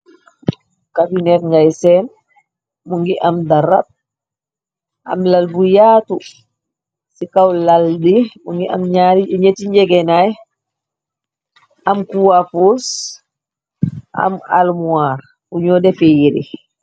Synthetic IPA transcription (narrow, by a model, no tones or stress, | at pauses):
kabinɛtŋɡajsɛn | muŋɡiʔamdaɾab̚ | ʔa̰mlalbujaːtu | sikawlaldimuŋɡia̰mɲaɾiɲetiɲd͡ʒɛɡɛnaj | ʔamkuwafus | a̰ma̰lmuaɾ | uɲɔdɛfejiɾḭ